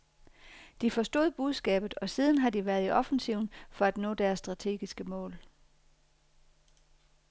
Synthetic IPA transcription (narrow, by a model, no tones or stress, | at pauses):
d̥ifɒ̽sd̥o̝̰ːð̞̩ˠb̥uð̞ˠsɡ̥ɛ̰ːb̥ð̩ˠɒ̽siːð̞ˠn̩ɦɑ̈d̥iʋæɐð̞ˠiʔɒ̽fn̩siʊ̰nfɒ̽æd̥nɔ̰̽ːd̥æɐsːd̥ʁɑ̈t͡sʰe̝̰ːɡ̥isɡ̥əmɔ̰̽ːl